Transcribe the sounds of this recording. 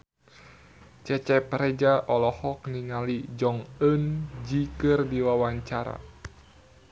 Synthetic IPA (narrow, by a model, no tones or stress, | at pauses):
t͡ʃɛt͡ʃɛpɾɛd͡ʒaʔɔlɔhɔkniŋalid͡ʒɔŋənd͡ʒikɨrdiwawaɲt͡ʃaɾa̰